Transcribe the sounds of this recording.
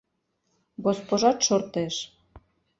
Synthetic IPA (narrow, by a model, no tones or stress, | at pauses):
ɡospoʒɑt̪ʃort̪eʃ